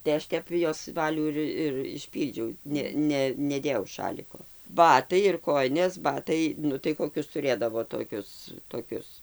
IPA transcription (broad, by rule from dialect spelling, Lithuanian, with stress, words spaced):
tɐɪ ˈɐʃ ˈtʲɛp joːs ˈʋɑːlʲuː ɪr ɪr ɪʃʲˈpʲiːlʲd͡ʒʲɛʊ ˈnʲɛ ˈnʲɛ nʲɛˈdʲeːjɛʊ ˈʃɑːlʲɪkoː ˈbɑːtɐɪ ɪr ˈkoːjɪnʲeːs ˈbɑːtɐɪ ˈnʊ tɐɪ koːˈkʲʊs tʊˈrʲeːdɐʋoː toːˈkʲʊs toːˈkʲʊs